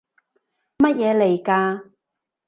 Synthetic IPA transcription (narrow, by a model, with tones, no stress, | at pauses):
mɐ˥t̚jɛː˨˧le˨˩jkaː˧